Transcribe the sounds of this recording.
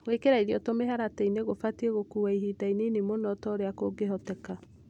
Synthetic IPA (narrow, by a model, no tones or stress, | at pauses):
wekeɾaiðiɔtomeɦaɾateineɣofatieɣokuwaiɦidainenemonɔtɔɾeakoɡeɦɔtɛka